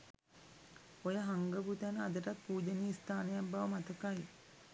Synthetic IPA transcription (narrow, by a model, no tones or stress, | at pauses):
ojəɦaŋɡəbut̪ænəad̪əʈat̪̚puːd͡ʒəniist̪ʰaːnəjabaʋəmat̪əkaj